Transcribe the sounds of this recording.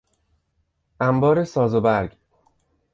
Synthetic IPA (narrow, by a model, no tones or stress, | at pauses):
ʔæmbɒːɾe̞sɒːzobæɾɡ